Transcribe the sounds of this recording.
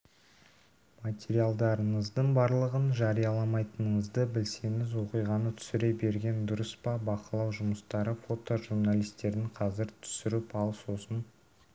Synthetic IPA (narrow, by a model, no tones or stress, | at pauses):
mat̪ʲeɾijalˠd̪ɑɾəɴəzd̪əɴbɑɾlˠəʁənʒɑɾijɑlˠɑmɑjt̪ənəɴəzd̪əbɪlse̞ŋɪzwo̞qijʁɑnət̪ʰʏ̥sɪɾe̞be̞ɾɡʲe̞nd̪ʊɾəspɑbɑqəlˠɑwʒʊməst̪ɑɾəfo̞t̪oʒuɾnalʲˠijst̪e̞ɾɪɴqʰɑzɪɾt̪ʰʏ̥sɪɾɪpɑlˠso̞sən